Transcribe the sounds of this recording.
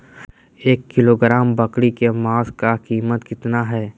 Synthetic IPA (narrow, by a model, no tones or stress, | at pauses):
eːkːɪloːɡɾaːmbɐkɽikemaːskakiːmət̪kɪt̪naɦɛː